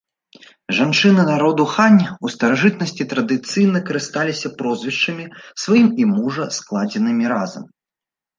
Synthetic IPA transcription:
ʐant͡ʂɨnɨnaɾɔd̪uxanʲust̪ɐɾaʐɨt̪nɐsʲt͡sʲit̪ɾɐd̪ɨt̪sɨjnɐkɐɾɨst̪alʲisʲɐpɾɔzʲvʲiʂt͡ʂɐmʲisvajimimuʐɐsklˠad͡zʲɛnɨmʲiɾazɐ̰m

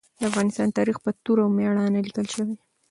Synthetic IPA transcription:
d̪əafɣɑnɪst̪ɑnt̪ɑɾixpət̪uɾawmeɽɑnalikəlʃəwi

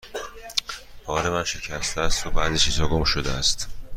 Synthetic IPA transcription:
pʰɒːɾe̞mænʃe̞cʰæst̪ʰeæst̪obæːd̪iːt͡ʃʰiːz̥hɒːɡo̞mʃod̪eæst̪

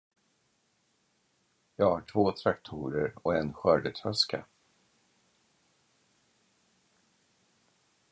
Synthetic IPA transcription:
jɑːɡhaʈʰvoːt̪ʰɾakt̪ʰuːɾəɾɔɛnɧœːɖət̪ʰɾœskʰa̰

